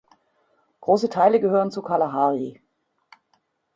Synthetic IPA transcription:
ɡ̥ʁoːsətʰaɪləɡəɦøːʁənt͡sukʰalaɦaːʁi

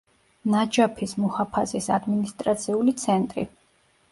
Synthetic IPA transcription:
nad͡ʒapʰismuhapʰasisad̪minist̪ʼɾat̪sʰiulit̪sʰɛnt̪ʼɾḭ

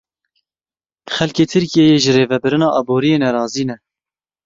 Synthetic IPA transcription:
xɛlkeːt̪ʰɨɾkijejeːʒɨreːvɛbɨɾɨnɑːʔɑːboːɾijeːnɛɾɑːziːnɛ

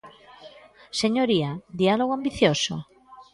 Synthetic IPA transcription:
seɲoɾiad̪ialoɣoambiθjoso̰

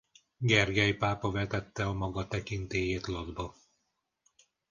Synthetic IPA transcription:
ɡɛrɡɛjpaːpɒvɛt̪ɛt̪ːɛɒmɒɡɒt̪ɛkint̪eːjeːt̪lod̪bɒ

